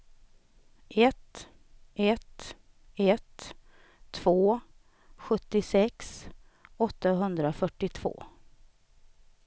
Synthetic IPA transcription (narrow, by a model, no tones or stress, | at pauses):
ʔɛt̪ | ɛt̪ | ɛt̪ʰː | v̥oː | ɧɵt̪ːɪsɛks | ɔt̪ːaɦɵnd̪ɾafœʈːɪt̪ʰv̥o̰ː